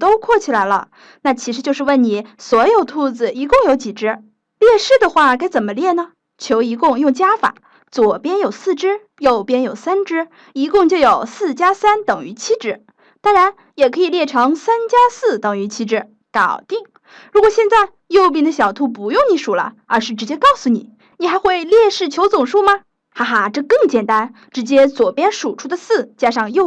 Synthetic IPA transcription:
t̪o˥ʊkʰwɔ˥˩t͡ɕʰi˨˩la˧˥ɪlə̰˧ | na˥˩t͡ɕʰi˧˥ʂɻ̩˧˥t͡ɕjo˥˧ʊʂɻ̩˥˧wə˥˩ni˨˩˦swɔ˧˥jo˨˩ʊt̪ʰu˥˩d͡zɹ̩˨˩i˧˥kʊ˥˩ŋjo˧˥ʊt͡ɕi˨˩ʈ͡ʂɻ̩˥ | ljɛ˥˧ʂɻ̩˥˩d̪ə˨xwa˥˩ka˥ɪt͡sə˨˩nmə˦ljɛ˥˩nə˩ | t͡ɕʰjo˧˥ʊi˧˥kʊ˥˧ŋjʊ˥˩ŋt͡ɕja˥fa̰˨˩˦ | t͡swɔ˨˩pjɛ˥njo˨˩ʊsɹ̩˥˩ʈ͡ʂɻ̩˥ | jo˥˩ʊpjɛ˥njo˨˩ʊsa˥nʈ͡ʂɻ̩˥ | i˧˥kʊ˥˧ŋt͡ɕjo˥˩ʊjo˨˩ʊsɹ̩˥˩t͡ɕja˥sa˥nt̪ɤ˨˩ŋy˧˥t͡ɕʰi˥ʈ͡ʂɻ̩˧˥ | t̪ɑ˥ŋɻa˧˥n | jɛ˨˩kʰɤ˧˥i˨˩ljɛ˥˩ʈ͡ʂʰɤ˧˥ŋsa˥nt͡ɕja˥sɹ̩˥˩t̪ɤ˨˩ŋy˧˥t͡ɕʰi˥ʈ͡ʂɻ̩˧˥ | kɑ˨˩ʊt̪i˥˩ŋ | ɻu˧˥kwɔ˨˩ɕjɛ˥˧nt͡sa˥˧ɪ | jo˥˧ʊp̬i˥˩ŋd̪ə˧ɕjɑ˨˩ʊt̪ʰu˧˥p̬u˧˥jʊ˥˩ŋni˧˥ʂu˨˩lə̰˦ | ə̰˞˧˥ʂɻ̩˥˩ʈ͡ʂɻ̩˧˥t͡ɕjɛ˥kɑ˥˩ʊsu˨˩nḭ˨˩˦ | ni˨˩xa˧˥ɪxwe˥˧ɪljɛ˥˧ʂɻ̩˥˩t͡ɕʰjo˧˥ʊt͡sʊ˨˩ŋʂu˥mɐ˧ | xa˥˧xa˥˧ʈ͡ʂɤ˥˧kɤ˥˩ŋt͡ɕjɛ˨˩nt̪a˥n | ʈ͡ʂɻ̩˧˥t͡ɕjɛ˥t͡swɔ˨˩pjɛ˥nʂu˨˩ʈ͡ʂʰu˥d̪ə˨sɹ̩˥˩t͡ɕja˥ʂɑ˥˧ŋjo˥˧

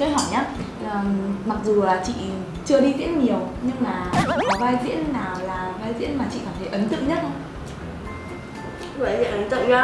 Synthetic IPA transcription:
kə˨˦ɦɔ˧˩jɲaː˨˦˨ | ma˨˩k̚zu˨˩laː˨˩t͡ɕḭ˧˨ | t͡ɕɨ˧əɗi˧zḭ˧˥ən̚ɲi˨˩əwɲɨ˧ŋlaː˨˩˨vaː˧jzḭ˧˥ənːaː˨˩wlaː˨˩vaː˧jzḭ˧˥ənmaː˨˩t͡ɕḭ˧˨kaː˧˩mt̪ʰə˨˦jʔə˨˦nt̪ɨ̰˧˨ŋɲə˦˥t̚ | və̰ː˧˨˩jzḭ˧˥əʔə˨˦nt̪ɨ̰˧˨ŋzaː˧

